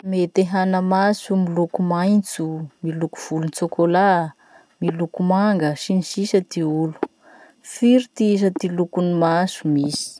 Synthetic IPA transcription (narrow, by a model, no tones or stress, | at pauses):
met̪eɦanəmasumilukumajnt͡sumilukuv̥ulunt͡sokʰola | milukumaŋɡəsinisisət̪iulu̥ | fiɾit̪iisət̪ilukunimasumisi̥